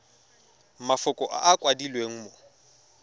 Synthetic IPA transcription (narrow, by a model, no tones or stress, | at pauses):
mafʊkʼɔʔa̰ʔakʼwadilweŋ̩mo